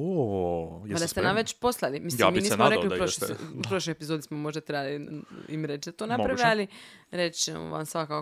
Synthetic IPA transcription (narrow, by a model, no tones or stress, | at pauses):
o | pad̪ast̪enamʋet͡ʃposlˠalimisljaminiːsnmoɾekliuɾoʃupɾoʃlojepizod̪ismomo̞ʒd̪at̪ɾebaliimɾe̞t͡ʃd̪at̪oːnapɾaʋeali | ɾe̞t͡ʃemo̰ʋa̰msʋakak